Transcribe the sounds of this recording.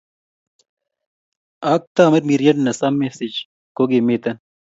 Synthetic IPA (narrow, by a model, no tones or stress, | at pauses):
aːk̚t̪aːmɐɾmiɾjɐnnɐsamːesid͡ʒ | koɡemeːt̪ɐn